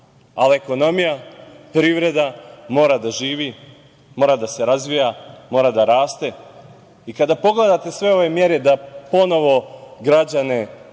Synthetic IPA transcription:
alieko̞no̞mijapɾiːʋɾe̞d̪amo̞ːɾad̪aʒiːʋi | mo̞ːɾad̪ase̞ɾazʋijamo̞ːɾad̪aɾaːst̪e̞ | ikad̪apo̞ɡle̞d̪at̪e̞sʋe̞o̞ʋe̞mje̞ɾe̞d̪apo̞no̞ʋo̞ɡɾad͡ʑane̞

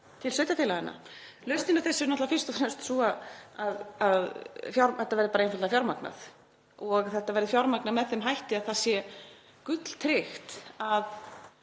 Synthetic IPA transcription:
t̪ʰɪlsœɥjt̪aθʰɪlaɪna̰lœɥst̪ɪnaɾθɛsːɪɾnɔt̪lafɪr̥st̪ɔθɛst̪suaaðaðfjawɾθɛt̪avɛɾðɪpaɾenfalafjawɾmakna̰θ | ɔɣθɛht̪avɛɾðɪfjawɾmaknaðmɛðθɛmɦajht̪ɪaðθaðsjɛ | kʏt̪l̥t̪ʰɾɪxt̪að

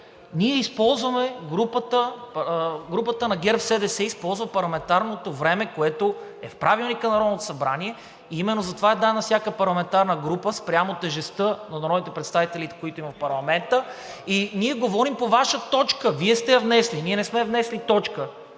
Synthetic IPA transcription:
niɛispɔlˠzvɐmɛɡɾupət̪ə | ɡɾupət̪ənɐɡʲɛɾfsɛd̪ɛsɛispɔlˠzvɐpɐɾlˠɐmɛnt̪aɾnot̪ovɾɛmɛkoɛt̪o | ɛfpɾavilˠnikənɐɾɔd̪not̪o̥sɐbɾaniɛ | iimɛnːozɐt̪ovaɛd̪aɛnɐfsjakəpɐɾlˠɐmɛnt̪aɾnəɡɾupəspɾjamot̪ɛʒɛst̪ɤnɐɾɔd̪it̪ɛpɾɛt̪st̪avit̪ɛlit̪ɛ̥koit̪oimɐfpɐɾlˠɐmɛnt̪əiniɛɡovɔɾimpovaʃət̪ɔt͡ʃkəviɛst̪ɛjɐvnɛsliniɛnɛsmɛvnɛslit̪ɔt͡ʃkə

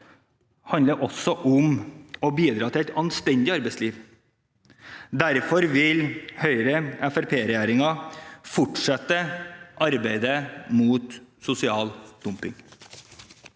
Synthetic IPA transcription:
hɑnd̪əɾʔɔsɔʔʊmɔbiːd̪ɾɑːt̪ʰɪlæɪt̪ɑnst̪ɛnd̪ɪɑɾbæɪsliːʋ | d̪æɾfɔɾʋɪlhœʏɾəɛfæɾpʰeːɾɛjæːɾɪŋɑfɔʈʂɛt̪ːəʔɑɾbæɪd̪əmuːt̪sʊsɪɑːld̪̥ʊmpɪŋ

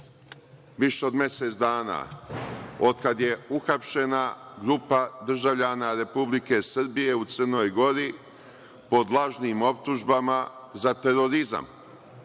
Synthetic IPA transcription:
ʋiʃe̞o̞d̪mjese̞t̪sd̪aːna̰ː | od̪kad̪je̞uxapʃe̞naɡɾupad̪r̩ʒaʋʎanaɾe̞publike̞sr̩bije̞ut̪srno̞jɡo̞ɾi | po̞d̪lˠaʒniːmo̞pt̪uʒbamazat̪e̞ɾo̞ɾiza̰m

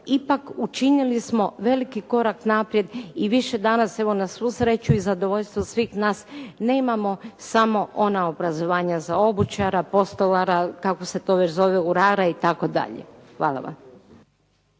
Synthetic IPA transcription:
ipakut͡ʃinilismo̞ʋe̞likiko̞ɾaknapɾje̞d̪iʋiʃe̞d̪anase̞ʋo̞nasʋuːsɾe̞t͡ʃuizad̪o̞ʋoʎst̪ʋosʋiːxnaːsne̞ːmamo̞samo̞ʔo̞naobɾazo̞ʋaːɲazao̞but͡ʃaɾapo̞st̪olaɾakako̞se̞t̪o̞ːʋe̞t͡ɕzo̞ʋeuɾaːɾait̪ako̞d̪a̰ʎḛxʋa̰ːlˠa̰ʋa̰m

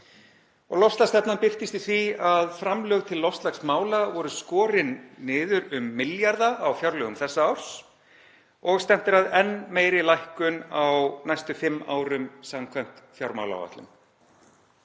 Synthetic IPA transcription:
ɔɣlɔfst̪last̪ɛpnampɪr̥t̪ɪst̪ɪ̥θviaðfɾamlœːɣt̪ʰɪlːɔfst̪laksmaːwlavɔɾʏskɔːɾɪnːɪːðʏɾʏmːɪljaɾðaʔawfjawɾlœːɣʏmθɛsːaawɾ̥s | ɔɣst̪ɛm̥t̪ɪɾaðɛnːmeːjɾɪlajhkʏnawnajst̪ʏfɪmːa̰ːwɾʏmsamkʰvajm̥t̪fjawɾma̰wla̰wva̰t̪lʏ̰m

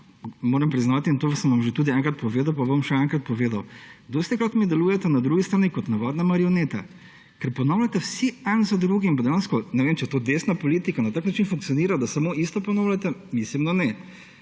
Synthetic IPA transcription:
moːɾɐmpɾiznaːwt̪iːnt̪oːsənʋɐmʒet̪uːd̪iɛŋkɾat̪pɔʋeːd̪ɐwpaʋɐmʃɛɛŋkɾat̪pɔʋeːd̪ɐwd̪ost̪ɛkɾat̪mid̪ɛluːjɛt̪ɛnɐd̪ɾuːɡist̪ɾaːnikɔt̪naʋaːd̪namaɾiɔneːt̪a̰ | kɛɾpɔnaʊlʲat̪ɛwsiɛnzad̪ɾuːɡimp̬ad̪ɛjaːnskɔnɛʋeːmt͡ʃɛt̪oːd̪esnapɔliːt̪ikanat̪aːknat͡ʃinfuŋk̪̚siɔniːɾad̪asɐmoʔist̪ɔpɔnaːwlʲat̪ɛmislimd̪anɛ

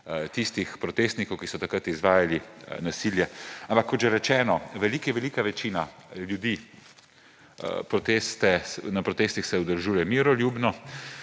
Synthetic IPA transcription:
t̪ist̪ixpɾɔt̪est̪nikɔwkisɔt̪akɾat̪izʋaːjalinasiːljɛampakːɔt̪ʒɛɾɛt͡ʃɛːnɔʋɛliːkjɛʋɛliːkaʋɛt͡ʃiːnaljud̪iː | pɾɔt̪eːst̪ɛnapɾɔt̪eːst̪ixsɛud̪əlʒuːjɛmiːɾɔlʲjuːbnɔ

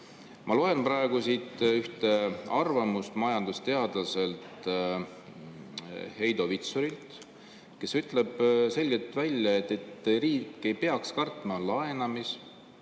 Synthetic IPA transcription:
mʔɑlo̞e̞npɾɑeɡ̥usit̪yht̪eɑrvɑmust̪mɑjɑnd̪̥ust̪e̞ɑd̪̥lɑse̞lt̪ | he̞jd̪o̞vit̪soɾilt̪ | ke̞syt̪ˑleb̥se̞lʲɡe̞lt̪ˑvælʲjɑet̪ːˑet̪riːkːe̞jpe̞ɑkskɑrt̪mɑlɑe̞nɑmis

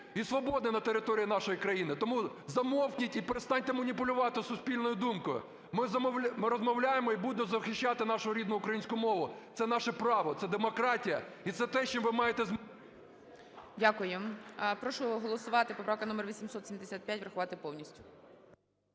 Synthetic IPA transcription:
isʋɔbɔd̪nnɐt̪eɾɪt̪ɔɾʲijinɑʃɔjikɾɐjinɪt̪ɔmuzɐmɔwkʲnʲitʲipeɾest̪ɑnʲt̪ɛmɐnʲipʊlʲʊʋɑt̪ɪsʊsʲpʲilʲnɔjʊd̪umkʊjʊ̰ | mɪzɐmɔmɪɾɔzmɔwlʲajemɔibud̪ɪmɔzɐxɪʃʲt͡ʃɑt̪ɪnɑʃʊɾʲid̪nʊʊkɾɐjinʲsʲkʊʊmɔʋʊt̪sɛnɑʃɛpɾɑʋɔt̪sɛd̪emɔkɾɑtʲijɐit̪sɛt̪ɛʃt͡ʃimʋɪmɑjet̪ɛzm | dʲakʊjepɾɔʃʊɦɔlˠɔsʊʋɑt̪ɪpɔpɾɑwkɐnɔmɛrʋʲisʲimsɔt̪sʲimd̪esʲat̪̚pʲjatʲʋɾɐxʊʋɑt̪ɪpɔwnʲisʲtʲʊ̥

